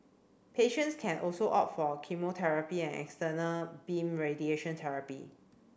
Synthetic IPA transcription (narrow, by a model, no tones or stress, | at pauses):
pʰeʃə̃ntskʰɛ̃nʔɔlsoʔa̰pfɔkʰimotʰɛɹəpiɛ̃nɛ̰kstənəlbĩmɹedieʃə̃ntʰɛɹapḭ